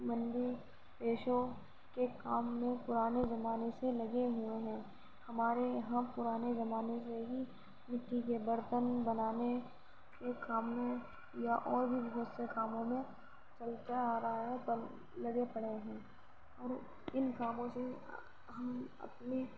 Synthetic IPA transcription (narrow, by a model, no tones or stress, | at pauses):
mɐ̃nd̪i | peːʃõ | kekaːmːẽpʊɾaːnezɐmaːneselɐɡeɦʊeɦɛ̃ː | hɐmaːɾeɦãːpʊɾaːnezɐmaːneseɦi | nɪʈːikebəɾt̪ənbɐnaːne | kekaːmːẽ | jaʔɔːɾbʱibɐɦʊt̪sekaːmõmẽ | t͡ʃɐlt͡ʃaaːɾɐɦaɦɛp | lɐɡepɐɽeɦɛ̃ː | ɔːɾ | ɪnkaːmõse | ɦɐmɐ̰pne